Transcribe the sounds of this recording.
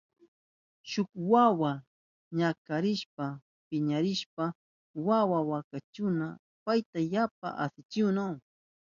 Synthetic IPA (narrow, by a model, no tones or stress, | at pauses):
ʃʊkwawa | ɲakaɾɪʃpa | pɪɲaɾɪʃpa | wawawakat͡ʃʊna | pajt̪ajap̚a̰ʔasɪt͡ʃɪwnaw